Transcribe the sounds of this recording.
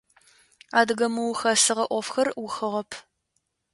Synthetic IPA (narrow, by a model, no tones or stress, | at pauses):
aːdɨɣɐmɨwʊxɐsɨʁɐʔʷɔfxɐrwʊxɨʁɐpʰ